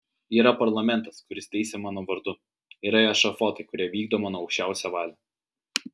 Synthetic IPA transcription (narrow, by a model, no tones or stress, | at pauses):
iːɾɐpɐɾlˠɐmʲɛnt̪ɐskʊɾʲɪst̪ʲɛɪsʲɛmɑːnoːʋɐɾd̪ʊ | ɪɾɐjɛʃɐfɔt̪ɐɪkʊɾʲiɛʋʲiːɡ̚d̪oːmɐnɔɐʊkʃʲt͡ʃʲæˑʊsʲɛʋɑːlʲɛ